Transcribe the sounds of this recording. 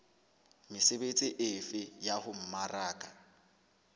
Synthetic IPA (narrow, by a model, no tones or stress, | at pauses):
mɪsebet͡sʼɪʔɪfɪjahʊm̩maraːkʼa